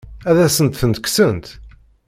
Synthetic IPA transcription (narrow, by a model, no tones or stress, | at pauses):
æðæsənt̪θənt̪əksənt̪